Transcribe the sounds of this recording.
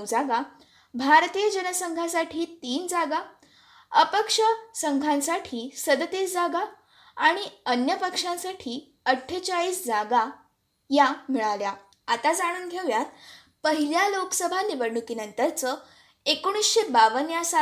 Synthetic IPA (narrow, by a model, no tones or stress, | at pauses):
d͡zaɡa | bʱaɾt̪iːjəd͡ʑənəsəŋɡʱasaʈʰiːt̪iːnd͡zaɡa | əpəkʂəsəŋɡʱãnsaʈʰiːsəd̪ət̪esd͡zaɡaː | ɽ̃iənjəpəkʂãsaʈʰiː | əʈʰːət͡ɕaɭiːsd͡zaɡa | jamiɭalja | at̪ad͡zaɽ̃uːnɡʱeʋjat̪̚ | pəɦiljaloksəbʱaniʋəɾɳukiːnənt̪əɾt͡sə | ekoɽ̃isɕebaʋənjasa